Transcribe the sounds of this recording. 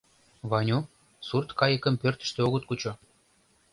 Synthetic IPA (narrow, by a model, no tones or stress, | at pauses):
vɑnʲu | surt̪kɑjə̆kə̆mpørt̪ə̥̆ʃt̪eoɣə̆t̪̚kut͡ɕo